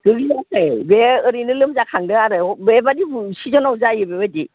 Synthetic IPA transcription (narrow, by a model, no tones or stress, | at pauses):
ɡ̥ɯɡiaɯjbeɯɾinɯlɯmzakʰaŋdɯaɾɯɔbebadibsizɔnawzajɯbebadi